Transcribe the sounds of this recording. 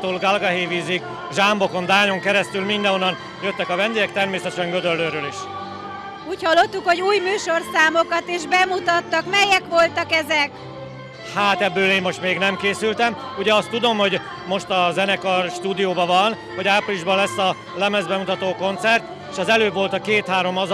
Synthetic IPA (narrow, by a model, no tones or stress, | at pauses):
t̪oːlɡɒlɡɒɦeːviːzik | ʒambo̞ko̞nd̪aːɲo̞ŋkɛɾɛst̪ylmind̪ɛnɦonːɒn | jøt̪ːɛkɒvɛnd̪eːɡɛk̚t̪ɛrmeːsɛt̪ɛʃɛŋɡød̪ølːøːɾøːliʃ | uːchɒlːo̞t̪ːukho̞ɟuːjmyːʃo̞rsaːmokɒt̪eʒbɛmut̪ɒt̪ːɒkmɛjɛkʋo̞lt̪ɒkɛzɛk | haːt̪ɛbːøːleːmːo̞ʃt̪meːɡnɛmkeːsylt̪ɛmuɟɛɒst̪ːud̪o̞mho̞ɟ | mo̞ʃt̪ɒzɛnɛkɒrʃt̪uːd̪ijoːbɒvɒn | hoɟaːpriliʒbɒlɛsːɒ | lɛmɛzbɛmut̪ɒt̪oːko̞nt̪sɛrt̪ | eːʃɒzɛløːvo̞lt̪ɒkeːt̪haːɾo̞mɒz